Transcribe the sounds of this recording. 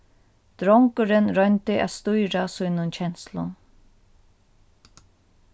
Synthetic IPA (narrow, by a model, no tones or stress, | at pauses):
d̪̥ɾɔŋkʊɾɪnɾœjnt̪ɪʔa̰ðst̪ujɾasujnʊnt͡ɕʰɛn̥slʊ̰n